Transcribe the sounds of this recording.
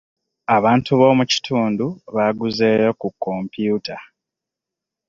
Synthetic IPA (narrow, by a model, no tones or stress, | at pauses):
aβaːntuβo̞muci̥tʰuːnduβaɡuzeːjo̞kukːo̞mpjutʰa